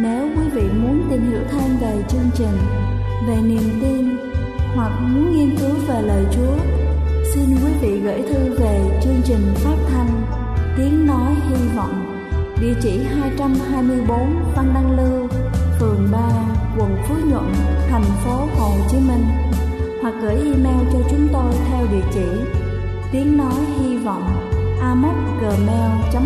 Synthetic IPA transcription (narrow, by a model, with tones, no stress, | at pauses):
ne˨˦wkwi˨˦vḭ˧˨mu˨˦ənt̪ï˨˩ŋ̟hḭ˧˥əwt̪ʰe˧mve˨˩t͡ɕɨ˧əŋt͡ɕï˨˩ŋ̟ | ve˨˩ni˨˩əmt̪i˧n | hwa˨˩k̚mu˨˦ənŋi˧ənkɨ˨˦wve˨˩ləː˨˩jt͡ɕu˨˦əsi˧nkwi˨˦vḭ˧˨ɣḛ˧˥jt̪ʰɨ˧ve˨˩t͡ɕɨ˧əŋt͡ɕï˨˩ŋ̟faː˦˥t̚t̪ʰa˧jŋ̟ | t̪i˨˦ənnɔ˨˦jhi˧ə˧wvɔ̰˧˨ŋ͡m | vḭ˧˨t͡ɕḭ˧˩ɦaː˧jt͡ɕa˧mɦaː˧jmɨ˧əjɓo˨˦nva˧nɗa˧ŋlɨ˧wfɨ˨˩əŋɓaː˧kwə˨˩nfu˨˦ɲwə̰˧˨nt̪ʰɛ˨˩jŋ̟fo˨˦ho˨˩t͡ɕi˨˦mï˧ŋ̟hwa˨˩k̚ɣəː˧˩jʔi˧mɛ˧wt͡ɕɔ˧t͡ɕʊ˨˦ŋ͡mt̪o˧jt̪ʰɛ˧wvḭ˧˨t͡ɕḭ˧˩˨ | t̪i˨˦əŋnɔ˨˦jhi˧vɔ̰˧˨wŋ͡mʔaː˧mə˦˥t̚ɣəː˨˩mɛ˧wt͡ɕa˨˦